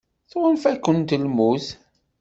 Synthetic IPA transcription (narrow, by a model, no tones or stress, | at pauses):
θʁənfækːənt̪lmuθ